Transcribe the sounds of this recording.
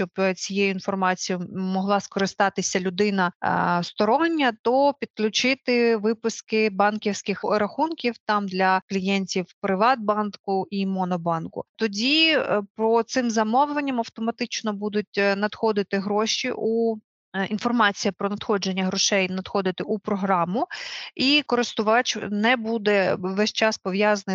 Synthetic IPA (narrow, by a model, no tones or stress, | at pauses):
t͡ʃɔbt͡sʲijejʊinfɔrmɑt͡sʲijʊmɔɦlˠɑskɔɾɪst̪ɑt̪ɪsʲɐlʲʊd̪ɪnɐ̰st̪ɔɾɔnʲːɐt̪ɔpʲid̪klʲʊt͡ʃɪt̪ɪʋɪpʊskɪbɑnkʲiwsʲkɪxɾɐxunkʲiwt̪ɑmd̪lʲɐklʲijɛnʲtʲiwpɾɪʋɑd̪̚bɑnkʊʔimɔnɔbɑnkʊ̰t̪ɔdʲipɾɔt̪sɪmzɐmɔwlˠenʲːɐmɐwt̪ɔmɐt̪ɪt͡ʃnɔbud̪ʊt̚ʲnɐd̪xɔd̪ɪt̪ɪɦɾɔʃiʔu | in̪fɔrmɑt͡sʲijɐpɾɔnɐd̪xɔd͡ʒenʲːɐɦɾɔʃɛjnɐd̪̥xɔd̪ɪt̪ɪʔupɾɔɦɾɑmʊikɔɾɪst̪ʊʋɑt͡ʃnɛbud̪ɛʋɛsʲt͡ʃɑspɔʋjɑzɐnɪ